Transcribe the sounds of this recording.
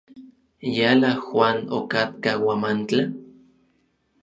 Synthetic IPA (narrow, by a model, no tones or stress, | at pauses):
jalaxwaːno̰kat̪kawamant͡ɬa